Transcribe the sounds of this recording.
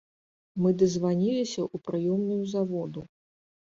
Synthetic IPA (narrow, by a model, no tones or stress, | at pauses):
mɨd̪ɐzvanʲilʲisʲɐʔupɾɨjɔmnujuzavɔd̪u